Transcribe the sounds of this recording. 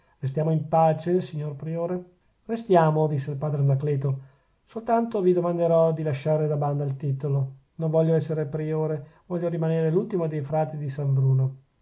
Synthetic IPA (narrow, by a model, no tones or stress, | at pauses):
rest̪jaːmoimpaːt͡ʃesiɲːorpɾioːɾe | rest̪jaːmod̪isːeilpaːd̪ɾenaklɛːt̪o | solt̪ant̪ovid̪omand̪eɾɔd̪ilaʃːaːɾed̪aband̪ailt̪it̪olo | noɱvɔʎːoɛsːeɾepɾioːɾevɔʎːoɾimaneːɾelult̪imod̪ejfɾaːt̪id̪isambɾuːno